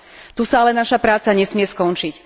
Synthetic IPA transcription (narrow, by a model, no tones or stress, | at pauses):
t̪usaalɛnaʃapɾaːt͡saɲɛsmɪɛskɔnt͡ʃic